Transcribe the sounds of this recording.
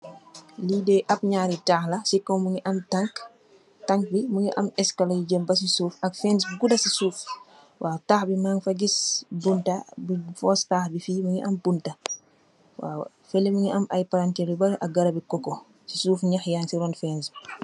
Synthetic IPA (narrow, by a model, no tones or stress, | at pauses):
liːdɛːʔɐp̚ɲaːɾitaːxlɐsikːɔmuŋiʔɐmtaŋk | taŋk̚bimuŋiʔɐ̰mɛskalajid͡ʒəmbɐs̬isuːfɐkfɛns̬ɡudɐsisuːf | wʔaːtaːxbimaːŋfɐɡisbuntabifɔːstaːxbifiːmuŋiʔɐmbuntɐ | wa̰ː | fɛlːemuŋiʔɐmʔa̰jpaɾantɛlibɐʔɐɡɐɾɐbikɔkɔ | sisuːfɲaxjaːnsiɾɔnfɛːns